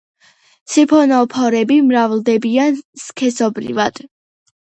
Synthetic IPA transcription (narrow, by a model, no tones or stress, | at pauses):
t̪sʰipʰɔnɔpʰɔɾɛbimɾavlˠd̪ɛbianskʰɛsɔbɾḭvad̪̥